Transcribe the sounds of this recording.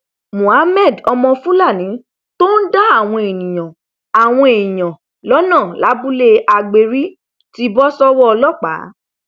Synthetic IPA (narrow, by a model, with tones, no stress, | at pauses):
mũ˨a˨˦mɛ˦˨dɔ˧mɔ̃˧fũ˦la˦˨nĩ˨˦ | to˦n̩˦da˦a˦˨w̃ɔ̃˧e˨nĩ˨j̃ã˨ | a˨w̃ɔ̃˧e˨ĩ˨j̃ã˨ | lɔ˦nã˦˨la˨˦bu˦le˦ʔa˧ɡ͡be˧ɾi˦ | ti˦bɔ˦sɔ˦wɔ˦ɔ˧lɔ˦k͡pa̰˨˦